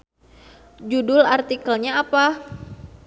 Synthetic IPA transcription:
d͡ʒudʊlart̪ikəlɲaːpa

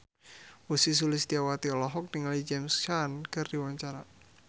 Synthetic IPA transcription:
wusis̬ulɪsd̪iawat̪iɔlɔɦɔk̚niŋalid͡ʒɛmst͡ʃankɨrdiwaɲt͡ʃaɾa

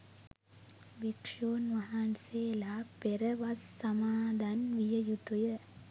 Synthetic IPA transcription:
ʋikʂoːnʋaɦanseːlaːpeɾəʋasːɐmaːd̪anʋijəjut̪ujə

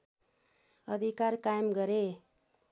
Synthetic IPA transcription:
ʌd̪ʱikaɾkajmɡʌɾe

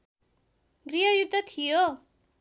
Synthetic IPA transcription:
ɡɾiɦʌjud̪ʱːʌt̪ʰijo

